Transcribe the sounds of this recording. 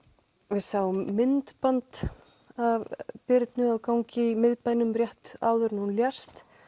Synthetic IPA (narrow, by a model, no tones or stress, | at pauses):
vɪðsaːwʏmːɪnt̪pant̪ | avpɪɾt̪nʏawkaːwɲcɪimɪðpajnʏmrjɛht̪a̰ːwðʏɾnuːnljast̪